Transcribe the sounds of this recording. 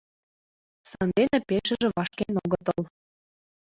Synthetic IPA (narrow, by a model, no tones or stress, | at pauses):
sɑnd̪enĕpeʃɘ̆ʒĕβɑʃkenoɣɤ̆t̪ɤ̆l